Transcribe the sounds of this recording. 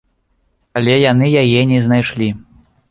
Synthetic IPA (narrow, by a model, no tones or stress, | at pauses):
ɐlʲɛjanɨjajɛnʲɛznajʂlʲi